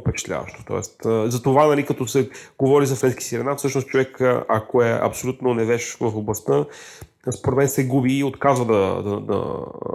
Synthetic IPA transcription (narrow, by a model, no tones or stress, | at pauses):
pɛt͡ʃɛ̥t̪lʲa̰vɐ̰ʃt̪o̥t̪ɔ̰ɛ̰st̪əzɐt̪ovanɐlikɐt̪ɔsɛɡovɔɾizɐfɾɛnski̥siɾɛnafsɤʃnost̪̚t͡ʃovɛkʔɐ̰koɛʔɐ̰psolʲut̪nonɛvɛʃvɐfoblˠɐst̪ə | spoɾɛt̪mɛnsɛɡubiːot̪kazvəd̪ɐd̪ɐd̪ɐ̰